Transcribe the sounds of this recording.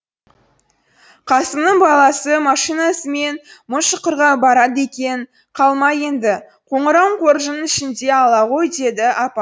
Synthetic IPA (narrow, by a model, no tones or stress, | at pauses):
qʰɑsəmnəɴbɑlˠɑsəmɑʃijnɑsəme̞nmʊʃəqəɾʁɑbɑɾɑd̪e̞kʲe̞ɴ | qʰɑlˠmɑjend̪ɪ | qʰo̞ɴəɾɑwɴqʰo̞ɾʒənəɪʃɪnd̪e̞ɑlˠɑʁo̞jd̪e̞d̪ɪʔɑpɑ